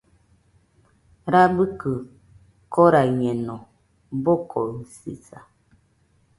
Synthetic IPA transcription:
ɾabəkə | kɔɾaɲɛnɔ | bɔkʰɔsḭt͡sa

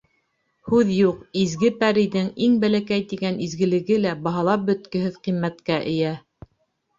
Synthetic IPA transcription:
hʉðjuqizɡɘpæɾiðɘŋiŋbælækæjt̪iɡænizɡɘ̆lɘ̆ɡɘlæbɑɦɑlˠɑp̚bɵ̆t̪kɘ̆hɘðqimːæt̪kæʔɘ̆jæ

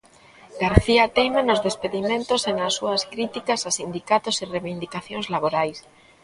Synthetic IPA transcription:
ɡ̥aɾθiat̪ejmanozðespeðimẽnt̪osenasːuaskɾit̪ikasasind̪ikat̪osireβind̪ikaθjoŋzlaβ̞oɾajs

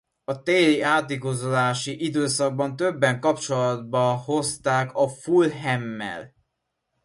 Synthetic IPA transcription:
ɒt̪eːliaːt̪iɡozolaːʃiʔid̪øːsɒɡ̚bɒnt̪ø̞bːɛŋkɒpt͡ʃo̞lɒd̪̚bɒho̞st̪aːkɒfulɦɛmːɛ̰l

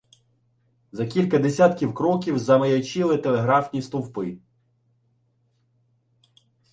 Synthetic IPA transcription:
zɐkʲilʲkɐd̪esʲat̪kʲiwkɾɔkʲiwzɐmɐjɐt͡ʃilˠɪt̪elˠeɦɾɑfnʲist̪uwpɪ

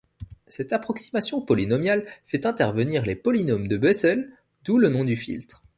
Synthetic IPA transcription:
sɛt̪apχɔksi̥masjɔ̃pɔlinɔmjalfɛt̪ɛ̃t̪ɛʁvəniʁlepɔlinomd̪əbɛsɛl | d̪ulənɔ̃d̪yfḭlt̪χ

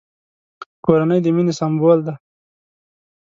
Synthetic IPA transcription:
koɾanəjd̪əminesambold̪a

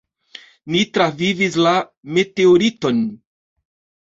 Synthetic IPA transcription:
nitɾavivis̬lame̞teoɾito̞n

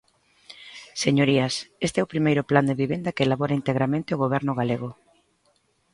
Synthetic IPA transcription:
seɲoɾiɐsest̪eɛʊpɾimejɾʊpland̪eβiβend̪ɐkelaβɔɾaint̪eɣɾamẽnt̪ɪʊɣ̞oβ̞ɛɾnʊɣ̞aleɣʊ

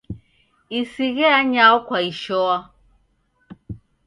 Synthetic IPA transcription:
isiɣɛaɲaɔkwaiʃɔa

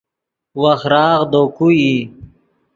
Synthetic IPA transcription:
waxɾɑːɣd̪okui

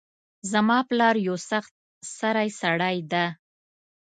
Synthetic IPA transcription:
zamɑplɑɾjawsaxt̪̚ | saɾajsaɽajd̪a

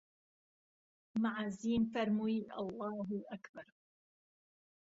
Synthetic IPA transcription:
maʕaːziːnfaɾmuiʔɑ̰lˤːɑːɦʔakbɑɾˤ

